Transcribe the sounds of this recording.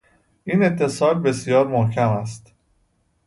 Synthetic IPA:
ʔiːne̞t̪ʰːe̞sɒːlbe̞sjɒːɾmohcʰæmæst̪

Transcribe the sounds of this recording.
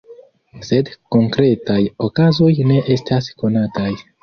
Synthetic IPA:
se̞dko̞ŋkɾe̞tajo̞kazo̞jne̞ʔe̞stʰasko̞nataj

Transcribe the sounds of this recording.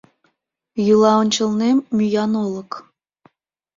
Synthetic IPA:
julˠɑŏnʲt͡ɕɤ̆lˠnemʲyjɑnolˠɤ̆k

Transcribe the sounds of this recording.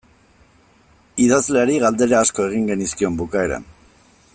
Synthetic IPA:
iðazleaɾiɣald̪e̞ɾaːsko̞e̞ɣ̞iŋɡe̞niskio̞mbukae̞ɾa̰n

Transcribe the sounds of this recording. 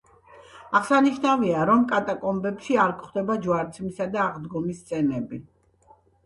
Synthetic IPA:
aʁsaniʃnaviaɾɔmkʼat̪ʼakʼɔmbɛpʃiaɾkʰχd̪ɛbad͡ʒwaɾt̪sʰmisad̪aːʁd̪ɡɔmist̪sʼɛnɛbi

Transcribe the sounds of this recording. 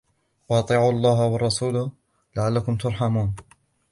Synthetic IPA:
wɑʔɑt̪ˤiːʕuːɑlˤːɑːɦwɑrˤːɑsuːlʊ | laʕalːakʊmt̪ʊɾˤħamuːn

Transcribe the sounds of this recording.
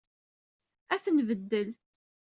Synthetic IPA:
æθənvəd̪ːəl

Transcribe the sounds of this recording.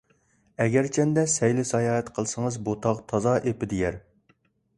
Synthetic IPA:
ɛɡʲæɾt͡ʃʰɛnd̪ɛsɛjlɪsɑjɑːɦɛt̪qʰəlˠɨsɨŋəzbot̪ʰɑqt̪ʰɑzɑʔepɪd̪ejæɾ

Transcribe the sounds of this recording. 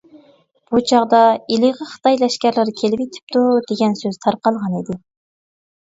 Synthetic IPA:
b̥ut͡ʃʰɑʁd̪ɑilɪʁəχə̥t̪ʰɑjlɛʃkʲæɾlˠɪɾkʲʰelɪpit̪ʰɪ̥p̚t̪ud̪eɡʲɛnsøz̥t̪ʰɑɾqɑlˠʁɑnid̪ɪ

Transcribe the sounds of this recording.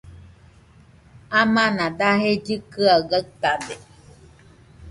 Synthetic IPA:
amãnãd̪aɦed͡ʒɨkɯaɡat̪ad̪e

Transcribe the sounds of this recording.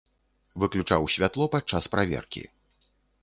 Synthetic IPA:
vɨklʲut͡ʂawsʲvʲat̪lˠɔpat͡ʂːaspɾavʲɛ̰rkʲḭ

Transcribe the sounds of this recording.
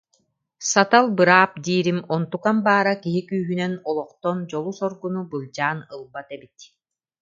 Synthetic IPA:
sat̪alˠbɯɾaːp̚d̪iːɾimɔnt̪ukambaːɾakiɦikyːɦynɛnɔlˠɔqt̪ɔnd͡ʑɔlˠusɔɾɡunubɯlˠd͡ʑaːnɯlˠbat̪ɛbit̪

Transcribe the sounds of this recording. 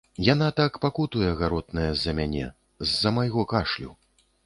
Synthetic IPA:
janat̪akpakut̪ujɛɣaɾɔd̪̚nɐjɐzːɐmʲanʲɛ̰ | zːɐmajɣɔkaʂlʲṵ

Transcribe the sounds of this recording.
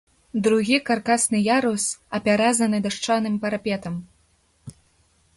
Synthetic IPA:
d̪ɾuɣʲikarkasnɨjaɾusɐpʲaɾazɐnɨd̪aʂt͡ʂanɨmpɐɾapʲɛt̪ɐm

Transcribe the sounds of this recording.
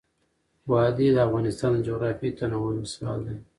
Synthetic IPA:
bɑd̪id̪əafɣɑnɪst̪ɑnd͡ʒoɣɾɑfit̪anawəsɑ̰le

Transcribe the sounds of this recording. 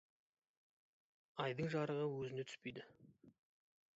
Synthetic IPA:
ɑjd̪əɴʒɑɾəʁəwɵzɪne̞t̪ʰʏ̥spe̞jd̪ɪ

